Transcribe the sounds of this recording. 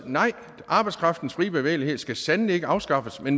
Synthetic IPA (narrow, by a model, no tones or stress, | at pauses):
nɑ̈ɪ̰ | ʔɑ̈ːb̥ɑ̈ɪskʰʁɑ̈fd̥n̩sfʁiːb̥e̝ʋḛːlihe̝ð̩ˠsɡ̥æsænlie̝ɡ̥əɑ̈ʊsɡ̥ɑ̈fəsmen